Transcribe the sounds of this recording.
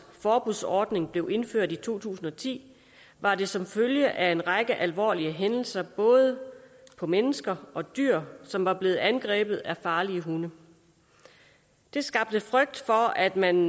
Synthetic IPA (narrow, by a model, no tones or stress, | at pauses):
fɒːb̥uðˠsɒːd̥ne̝ŋb̥le̝ʊʔe̝nføɐ̰d̥it͡sʰo̝̰ːt͡sʰṵːsn̩ɒ̽t͡sʰḭː | ʋɑ̈d̥e̝sɒ̽mføljəʔæe̝nʁɑɡ̥əʔælʋɒ̰ːliəɦenl̩sɐb̥ɔ̽ːð̞ˠəpʰɒ̽menəsɡ̥ɐɒ̽d̥y̰ɐ̰sɒ̽mʋɑ̈b̥le̝ːð̩ˠænɡ̥ʁɛ̰ːb̥ð̞̩ˠæfɑ̈ːliəɦunə | d̥e̝sɡ̥ɑ̈b̥̚d̥əfʁœɡ̥̚d̥fɒ̽æd̥mæn